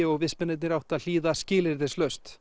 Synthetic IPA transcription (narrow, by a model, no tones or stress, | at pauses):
ɪɔɣvɪsmɛnɪt̪nɪɾawht̪aðl̥iːðascɪːlɪɾðɪ̥slœɥst̪